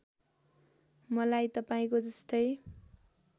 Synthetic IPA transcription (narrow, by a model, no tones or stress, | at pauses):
mʌlajt̪ʌpaĩkod͡zʌst̪ʌj